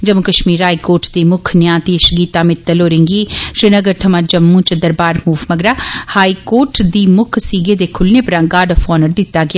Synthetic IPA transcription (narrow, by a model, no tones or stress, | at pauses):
d͡ʒəmʊkəʃmiːɾɦaːikoːɾʈd̪iːmʊkʰnjãːt̪iːɪʃɡiːt̪aːmɪt̪ːəloːɾẽːŋɡiːʃɾɪnəɡəɾt̪ʰəmãːd͡ʒəmːũːt͡ʃəd̪əɾbaːɾmuːʋməɡɾaːhaːiːkoːɾʈd̪iːmʊkʰsiːɡeːd̪eːkʰʊlneːpəɾãːɡaːɖɔfʰɔːnəɾd̪ɪt̪ːaːɡɪjaː